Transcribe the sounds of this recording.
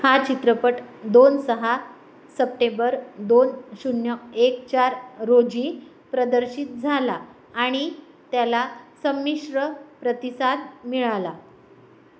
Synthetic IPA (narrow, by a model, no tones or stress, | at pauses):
hat͡ɕit̪ɾəpəʈd̪onsəɦa | səp̚ʈẽmbəɾd̪onɕunjəekt͡ɕaɾɾod͡ʑi | pɾəd̪əɾɕit̪̚d͡zʱalaː | ɽ̃i | t̪jalasəmːiɕɾəpɾət̪isad̪miɭala